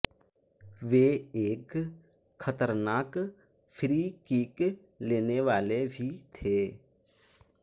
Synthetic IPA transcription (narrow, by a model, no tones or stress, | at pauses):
ʋeːeːkʰ | xʰət̪əɾnaːk | fʰɾiːkiːk | leːneʋaːlebʱit̪ʰeː